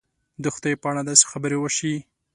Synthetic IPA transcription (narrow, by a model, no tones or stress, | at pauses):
d̪əxʊd̪ajpəaɽad̪ɑse̥xabəɾewəʃi